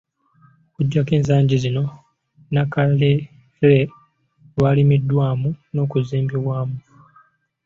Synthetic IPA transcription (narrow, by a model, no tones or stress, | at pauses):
kuɟːake̞ːnz̬aːɲɟizino̞ | nakale | le | lwaːlimidːwaːmuno̞ːkuziːmbiβwaːmu